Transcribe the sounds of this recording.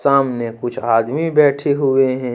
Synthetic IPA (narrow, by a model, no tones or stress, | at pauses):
saːmnekʊt͡ʃʰaːd̪mibɛːʈʰeɦʊeɦɛ̃ː